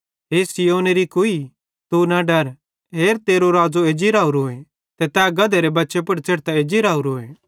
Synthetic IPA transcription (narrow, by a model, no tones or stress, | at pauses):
ɦeːsɪjoːneɾikʊi | t̪unaɖɐɾ | ɦeːɾt̪eːɾoɾaːd͡zoeːd͡ʒiɾaːuɾoːe | t̪ɛt̪ɛɡɐd̪eɾebɐtːʃep̬ʊɽt͡seːɽt̪aeːd͡ʒiɾaːuɾoːe